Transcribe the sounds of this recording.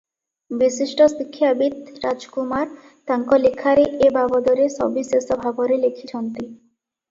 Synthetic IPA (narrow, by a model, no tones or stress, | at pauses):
biʃiʃʈosikʰːjabit̪ɾad͡ʑkumaɾ | t̪aŋkɔlikʰːaɾeʔebabod̪ɔɾeʃɔ̰bisesobʱaboɾelekʰit̪ʰɔnt̪i